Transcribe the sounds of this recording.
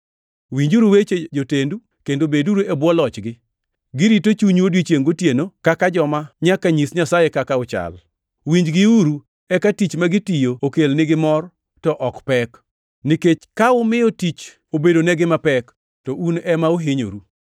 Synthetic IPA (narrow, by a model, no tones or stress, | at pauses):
wiɲd͡ʒuɾuwet͡ʃed͡ʒotendu | kendobeduɾoebwɔlɔt͡ʃɡɪ | ɡɪɾitot͡ʃuɲwodwit͡ʃjeŋɡotjenokakad͡ʒɔmaɲakaɲisɲasajekakaʊt͡ʃa̰l | wiɲd͡ʒɡɪuɾu | ɛkatit͡ʃmaɡɪtijookelnɪɡɪmɔr | tɔʔɔkpɛk | niket͡ʃkaʊmɪɔtit͡ʃ | obedonɛɡɪmapɛk | tɔʔunɛmaoɦɪɲo̰ɾu